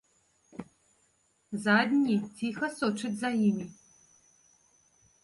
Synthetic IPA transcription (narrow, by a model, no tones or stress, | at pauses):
zaːd̪nʲitʰiːxɐsoʈ͡ʂʰɨtzajimʲi